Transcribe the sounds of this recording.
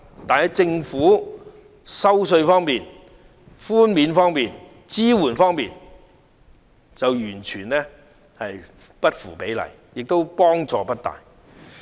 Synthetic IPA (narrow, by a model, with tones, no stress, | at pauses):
t̪aː˨nhɐ˨˩jt͡sɪ˧ŋfuː˨˥ | sɐ˥wsɵ˧ɥfɔː˥ŋmiː˨n | fuː˥nmiː˨˥nfɔː˥ŋmiː˨n | t͡siː˥wuː˨˩nfɔː˥ŋmiː˨˩n | t͡sɐ˨wjyː˨˩nt͡ʃʰyː˨˩nlɛː˥ | hɐ˨jpɐ˥t̚fṵː˨˩pe˨˥jlɐ̰˨˩j | jɪ˨k̚t̪o˥wpɔː˥ŋt͡sɔː˨pɐ˥t̚t̪a̰ː˨j